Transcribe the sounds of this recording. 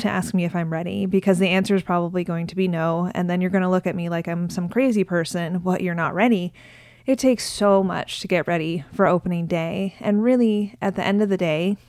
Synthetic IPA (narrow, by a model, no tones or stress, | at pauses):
tʰɨʔæ̰sk̚miɨfãɪ̃mɹɛɾḭbɨkʰʌzðiæ̃nsə˞ɨz̥pʰɹ̥ɑβəbliɡoʊɪ̃ŋtʰɨbinoʊɨ̰̃nðɨ̃njə˞ɡʌñəlʊkɨt̚milaɪkãɪ̃msʌ̃mkʰɹ̥eɪzipʰɜ˞sɨ̃nbʌʔə˞nə̰ʔ̚ɹɛɾi | ɨtʰeɪksoʊmʌ̰t͡ʃtʰɨɡɛʔ̚ɹɛɾifə˞oʊpənɪ̃ŋdeɪʔɨ̃nɹɪlˠiʔɨt̪̚ðiʔɛ̃ndʌvðɨdeɪ